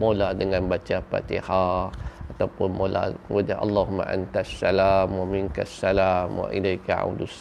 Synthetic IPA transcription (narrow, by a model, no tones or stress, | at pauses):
moladəŋãnbat͡ʃapa̰t̪ḭhaat̪awpʊnmola̰wud͡ʒaʔɑlːɑɦumːa̰ʔant̪asːalamwamiŋkasːalamwa̰ʔilajkaa̰wdus